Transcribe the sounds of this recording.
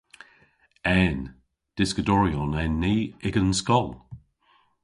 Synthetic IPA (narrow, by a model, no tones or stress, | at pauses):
ɛn | d̥ɪskədɔɹiɔnɛnːiːɪɡənskɔlˠ